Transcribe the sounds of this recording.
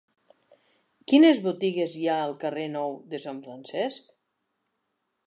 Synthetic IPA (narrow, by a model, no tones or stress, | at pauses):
kinezβut̪iɣezjaəlˠkərenɔwd̪əsaɱfɾansɛsk